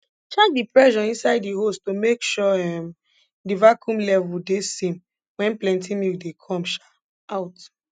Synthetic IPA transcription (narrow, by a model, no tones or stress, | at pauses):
t͡ʃɛk̚dipɹɛʃɔĩnsaɪddiɦostomekʃɔɛm | divakʰũmlɛvudesĩm | wɛ̃nplɛ̃ntimildekʰɔ̃mʃa | aʊt